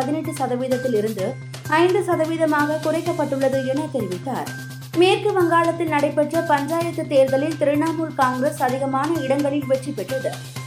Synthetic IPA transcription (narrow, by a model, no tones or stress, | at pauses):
ɐðɪnɐʈːɯsɐðɐʋiːðɐt̪ːɪlɪɾɯnd̪ɯ | ɐɪnd̪ɯsɐðɐʋiːðɐmaːɣɐkʊrɐɪkːɐpːɐʈːɯɭːɐðɯɛnɐt̪ːɛɾʋɪʈːa̰ːɾ | meːrkɯʋɐŋɡaːɭɐt̪ːɪlnɐɽɐɪpːɛʈrɐpɐɲd͡ʒaːjɐt̪ːɯt̪ːeːɾðɐlɪlt̪ɪɾɯɳːaːmuːlkaːŋɡɾɐsɐðɪɣɐmaːnɐɪɽɐŋɡɐɭɪlʋɛʈripːɛʈrɐðɯ